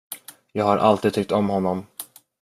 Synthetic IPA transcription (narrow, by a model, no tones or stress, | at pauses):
jɑːɡhaɾʔa̰lt̪id̪̚t̪ʰʏk̚t̪ɔmhɔnːɔm